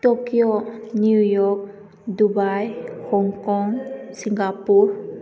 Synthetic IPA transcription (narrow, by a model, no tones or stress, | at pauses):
tokionjujɔk̚ | dubajhɔŋkɔŋsiŋɡapuɾ